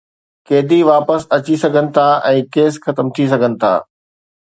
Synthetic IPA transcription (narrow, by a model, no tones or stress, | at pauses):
keːd̪iʋaːpəsɐt͡ɕisɐɡʱənɪ̆t̪ʰaʔɛ̃ːkeːsxɐt̪əmt̪ʰis̬ɐɡʱənɪ̆t̪ʰa̰ː